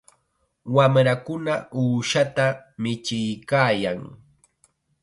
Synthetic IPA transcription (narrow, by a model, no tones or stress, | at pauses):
wamɾakʊnauːʃat̪amɪt͡ʃɪjkaːjaŋ